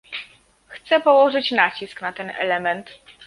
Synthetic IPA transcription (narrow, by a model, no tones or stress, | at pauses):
xt̪sɛpɔwɔʐɘt͡ɕnat͡ɕisknat̪ɛnʔɛ̰lɛmɛnt̪